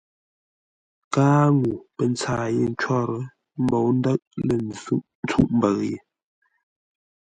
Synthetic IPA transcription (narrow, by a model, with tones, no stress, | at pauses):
kaː˦ŋu˨pə˨nt͡saː˨je˦˨n̩˦t͡ʃɔ˦ɾə˦ | mbo˨wn˦də˦ʔ̚lə˨n˦ʔn˦t͡su˦˨ʔmbə˨ɣjḛ˨